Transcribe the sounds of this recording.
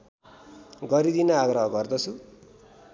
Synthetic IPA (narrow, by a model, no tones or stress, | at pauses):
ɡʌɾid̪inʌaɡrʌɦʌɡʌrd̪ʌt͡sʰu